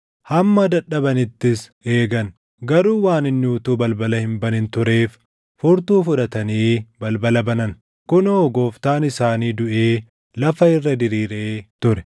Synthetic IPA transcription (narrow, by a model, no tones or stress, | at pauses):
hɐmːɐd̪ɐᶑːɐbɐnɪt̪ːɪse̞ːɡɐn | ɡɐɾuːwaːnɪnːuːt̪uːbɐlbɐlɐhɪnbɐnɪnt̪ʊɾe̞ːf | fʊɾt̪uːfʊᶑɐt̪ɐniːbɐlbɐlɐbɐnɐn | kʊnoːɡo̞ːft̪aːnɪsaːniːd̪ʊʔeː | lɐfɐɪrːɐd̪ɪɾiːɾeːt̪ʊɾɛ̥